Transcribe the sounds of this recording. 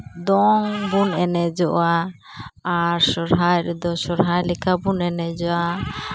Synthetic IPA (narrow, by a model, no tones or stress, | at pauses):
d̪ɔŋbunɛnɛd͡ʒɔʔa | aɾsɔɾɦajɾɛd̪ɔsɔɾɦajlɛkʰabunɛnɛd͡ʒɔa